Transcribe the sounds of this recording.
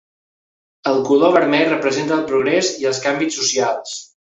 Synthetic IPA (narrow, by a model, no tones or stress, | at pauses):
əlˠkuloβəɾmɛrəpɾəzent̪əːlˠpɾuɣɾɛziəlˠskambit͡sːusialˠs